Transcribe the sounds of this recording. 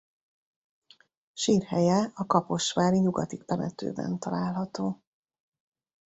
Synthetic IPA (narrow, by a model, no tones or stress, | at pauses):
ʃiːrhɛjɛɒkɒpo̞ʃʋaːliɲuɡɒt̪ikt̪ɛmɛ̰t̪ø̰ːbɛ̰nt̪ɒlaːlɦɒt̪oː